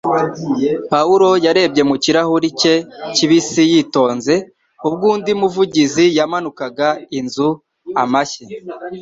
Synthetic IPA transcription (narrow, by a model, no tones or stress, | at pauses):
pauɾo̞jaɾe̞bɟe̞muciɾahuɾice̞ciβisijito̞ːnze̞ | ubɡuːndimuvuɟizijamanukaɡainzu | amaçe